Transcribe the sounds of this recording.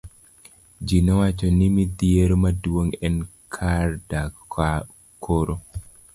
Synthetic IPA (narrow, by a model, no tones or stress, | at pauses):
d͡ʒinɔwat͡ʃɔnimid̪jeɾomadwoŋɛnkʰarda | kʰoɾo